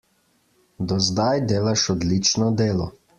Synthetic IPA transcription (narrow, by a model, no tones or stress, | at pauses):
d̪ɔzd̪ajd̪eːlaʃɔd̪lit͡ʃnɔd̪eːlɔ